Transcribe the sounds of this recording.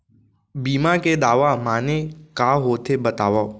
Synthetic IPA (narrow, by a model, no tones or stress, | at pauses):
biːmãːked̪aːʋamãːnẽkaːɦoːt̪ʰebət̪aːʋaː